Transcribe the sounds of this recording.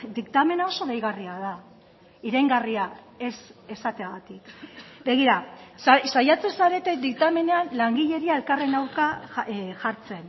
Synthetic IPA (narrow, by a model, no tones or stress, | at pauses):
d̪ikt̪ame̞nao̞so̞ðejɣariaða | iɾajŋɡaria | e̞se̞sat̪eaɣat̪ikbe̞ɣ̞iɾasasajat͡se̞nsaɾe̞t̪ed̪ik̚t̪ame̞neanlaŋɡiʎe̞ɾiae̞lkare̞nawɾkaʝaɾt͡se̞n